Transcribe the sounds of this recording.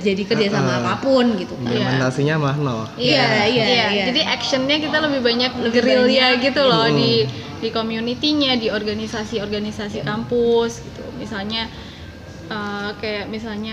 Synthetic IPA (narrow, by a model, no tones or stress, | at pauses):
d͡ʒadikərd͡ʒasamaːpapʊnɡit̪ukaandasiɲamahnajjaiaijad͡ʒadiʔɛkʃənɲakit̪aləbɪhbaɲak̚ləɡəɾiljaɡit̪ulɔdi | dikomjunit̪iɲadiorɡanisasiɔrɡanisasikampʊsɡit̪ṵmisalɲa | əːkajaʔmisalɲa